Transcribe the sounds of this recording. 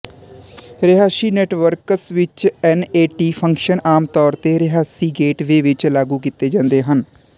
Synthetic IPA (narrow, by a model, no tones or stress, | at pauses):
ɾɪɦaːsiːnɛːʈʋəɾkəsʋɪt͡ʃɛːneːʈiːpʰə̃ŋkʃənaːmt̪ɔːɾt̪eːɾɪɦaːsiːɡeːʈʋeːʋɪt͡ʃlaːɡuːkit̪eːd͡ʒãːnd̪eːɦən